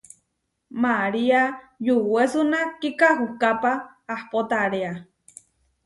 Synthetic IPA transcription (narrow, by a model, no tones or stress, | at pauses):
maɾia | juwwesunakikaɦukapaː | hpot̪aɾea